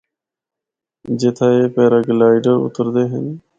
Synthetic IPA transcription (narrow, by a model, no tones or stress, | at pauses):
d͡ʒeːt̪ʰaːeːpeːɾəɡlaːɪɖəɾʊ̰t̪əɾd̪eːɦə̰n